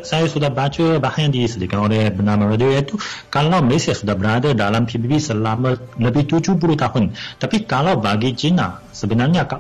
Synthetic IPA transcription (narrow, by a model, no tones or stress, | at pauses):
sajasudahbat͡ʃəbahanjaŋdisədikanolɛhbənamaɾadiojait̪ukalawməlesiasudahbəɾadadalampʰibibisəlamə̃ | ləbɪht̪ud͡ʒup̬uɾuht̪ahʊnt̪apikalawbaɡid͡ʒina̰ | səbənarɲakaʔ